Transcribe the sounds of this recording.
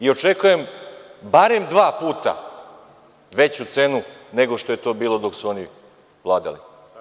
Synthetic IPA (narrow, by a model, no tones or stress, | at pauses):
io̞t͡ʂekuje̞mbaɾe̞md̪ʋaːpuːt̪a̰ | ʋe̞t͡ɕut̪seːnune̞ɡo̞ʂt̪o̞je̞t̪o̞ːbiːlˠo̞d̪o̞ksuo̞ni | ʋlˠaːd̪a̰lḭ